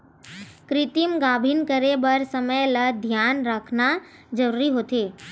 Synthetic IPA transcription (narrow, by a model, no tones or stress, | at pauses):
kɾɪt̪imɡaːbʱinkəɾebəɾsəməjləd̪ʱjaːnɾəkʰnad͡ʒəɾuɾiɦoːt̪eː